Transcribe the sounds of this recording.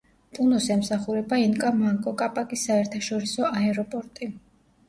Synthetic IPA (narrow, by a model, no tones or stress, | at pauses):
t̪ʼunɔsɛmsaχuɾɛbainkʼamaŋkʼɔkʼapʼakʼisːaɛɾt̪ʰaʃɔɾisɔaɛɾɔpʼɔɾt̪ʼi